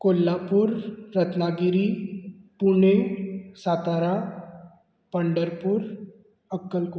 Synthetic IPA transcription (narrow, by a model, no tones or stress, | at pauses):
kolːapuːɾːət̪naɡiɾipuɳesat̪aɾa | pəɳɖəɾpuːɾ | əkːəlko